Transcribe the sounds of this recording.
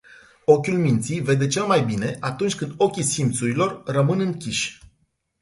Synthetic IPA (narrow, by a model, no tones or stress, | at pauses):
o̞kʲulmint̪sijve̞d̪e̞t͡ʃe̞lmajbine̞ʔat̪unt͡ʃʲkɨnd̪o̞kʲisimt̪suɾilo̞rrəmɨnɨŋkʲiʃʲ